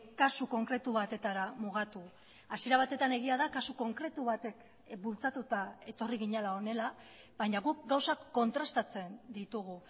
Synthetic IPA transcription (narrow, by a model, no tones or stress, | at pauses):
kasuko̞ŋkɾe̞t̪uβat̪e̞t̪aɾamuɣ̞at̪u | asie̞ɾaβ̞at̪e̞t̪ane̞ɣiaðakasuko̞ŋkɾe̞t̪uβat̪e̞k | bult͡sat̪ut̪ae̞t̪o̞riɣ̞iɲalao̞ne̞la | bajɲaɣuk̚ɡawsakːo̞nt̪ɾast̪at͡se̞nd̪it̪uɣ̞u